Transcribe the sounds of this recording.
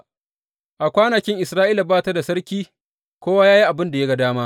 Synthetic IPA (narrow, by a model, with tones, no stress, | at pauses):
ʔa˨kʷaː˦na˨kʲɪ˦ŋʔɪ˨sɾaː˦ʔiː˦la˨baː˦ta˦da˨sɐ˦ɽkʲiː˦ | kʷoː˦waː˦jaː˦ji˦ʔa˨bɪ˦nda˨ja˦ɡa˨daː˦maː˦ʔ